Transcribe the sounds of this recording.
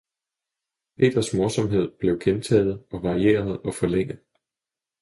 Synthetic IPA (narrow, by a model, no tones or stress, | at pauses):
pʰe̝̰ːd̥ɐsmɔ̝ɐsɒ̽mɦe̝ð̞̰ˠb̥le̝ʊɡ̥ʰent͡sʰɛ̰ːð̩ˠɒ̽ʋɑ̈ʁie̝̰ːɐð̞ˠɒ̽fɒ̽leŋ̰ð̩ˠ